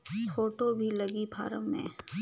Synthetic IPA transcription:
foːʈobʱilɐɡibʱa̰ːɾəmmḛ̃ː

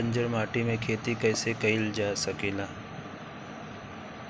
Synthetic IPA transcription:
ə̃ɲd͡ʒəɾmaːʈimẽkʰeːt̪ikɛːsekɐɪld͡ʒaːsɐkeːlaː

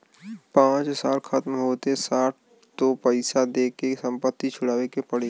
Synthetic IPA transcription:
pãːt͡ʃsaːlxʰɐt̪mɦoːt̪esaːʈ̚ʰ | t̪opəɪsad̪eːkesɐ̃mpət̪ːit͡ʃʰʊɽaːʋekepɐɽe

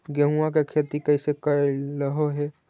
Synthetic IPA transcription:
ɡəɦuakekʰeːt̪ikɛɪsekəeləɦoɦɛː

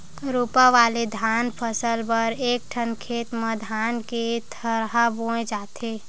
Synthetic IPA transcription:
ɾupaʋaled̪ʱanpʰəsəlpəɾek̚ʈʰənkʰet̪med̪ʱanket̪ʰəɾɦabõẽd͡ʒat̪ʰe

